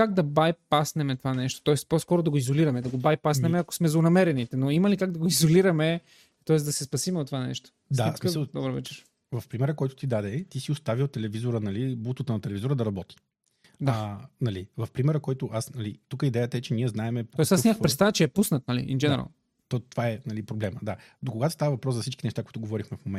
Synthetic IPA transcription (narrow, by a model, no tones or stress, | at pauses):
kaɡ̚d̪ɐbajpasnɛmɛt̪ovanɛʃt̪o̥t̪ɔɛst̪pɔskɔɾod̪ɐɡoizoliɾɐmɛd̪ɐɡobajpasnɛmɛɐko̥smɛzonɐmɛɾɛnit̪ɛnoimɐlikaɡ̚d̪ɐɡoizoliɾɐmɛ | t̪ɔɛsd̪ɐsɛspɐsimɛot̪ːovanɛ̰ʃt̪o̥dsaɛsmkəlˠd̪ɔbəɾvɛ̰t͡ʃɛɾ | vɐfpɾimɛɾəkɔjt̪ʊ̥t̪id̪ad̪ɛt̪isiʊst̪avilˠt̪ɛlɛvizoɾənɐlibut̪ət̪ənɐt̪ɛlɛvizoɾəd̪ɐɾɐbɔt̪i̥ | d̪anɐlivɐfpɾimɛɾəkɔjt̪ʊʔasnɐlit̪ukəid̪ɛjət̪əɛt͡ʃɛniɛznaɛmɛpo̥ɔɛsasnʲaməxpɾɛt̪st̪aðət͡ʃɛɛpusnət̪̚nɐlḭʔḭnɡɛnɛɾa̰lˠ | t̪ɔt̪ovaɛnɐlipɾoblɛməd̪a | d̪okoɡat̪o̥st̪avəvɐpɾɔszɐfsit͡ʃkinɛʃt̪akoit̪ʊɡovɔɾixmɛfmomɛ